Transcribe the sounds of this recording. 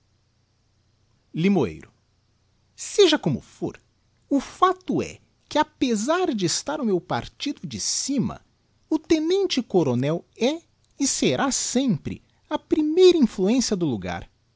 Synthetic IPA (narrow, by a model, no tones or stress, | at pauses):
limoḛjɾʊ | seʒɐkõmʊ̰fo̰ɾ | ʊfat̪ʊɛ̰ | kɪapezaɾd͡ʒɪest̪aɾʊmewpa̰ɾt͡ʃid̪ʊd͡ʒɪsĩmɐ̰ | ʊt̪enẽnt͡ʃɪkoɾonɛwɛ | ɪseɾʔasẽpɾɪ̰ | ɐpɾimejɾɐĩfluẽsiɐd̪ʊluɡa̰ɾ